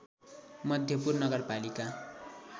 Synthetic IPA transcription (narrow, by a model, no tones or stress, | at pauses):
mʌd̪ʱjʌpurnʌɡʌrpalika